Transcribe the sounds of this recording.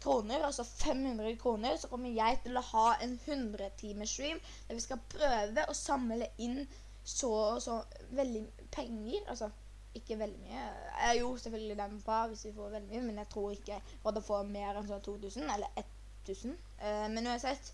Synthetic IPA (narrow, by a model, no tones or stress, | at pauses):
kʰɾuːnəɾɔsɔfɛmhʉnd̪ɾəkʰɾuːnəɾsɔkʰɔmːəɾjæɪt̪ʰɪlɔhɑːɛnhʉnd̪ɾət̪ʰiːməsɹiːm | d̪̥æɾʋɪskɑpʰɾøːʋəʔɔsɑmləʔɪn | sɔsɔ | ʋɛld̪ɪ | pʰɛŋːəɾɑ̰lsɔ | ɪkːəʋɛld̪ɪmy̰ːəjuːsɛfœlɡəlɪd̪ɛmpʰɔʋɪsʋɪfoːɾʋɛld̪ɪmyːəmɛnjæɪt̪ʰɾuːɾɪkːə | ʋɑd̪ɛfoɾmeːɾɛnsɔnːt̪ʰuːt̪ʉːsənɛlːəɾɛt̪ʰː | ʉːsən | mɛnʉɑnsɛt̪ː